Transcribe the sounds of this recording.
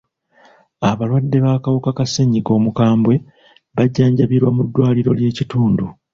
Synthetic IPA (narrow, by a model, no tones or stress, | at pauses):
aβalwadːe̞βaːkawukakaseɲːiko̞ːmukaːmbwe̞ | βaɟːaːɲɟaβiɾwamudːwaːliɾo̞lje̞ːcituːndu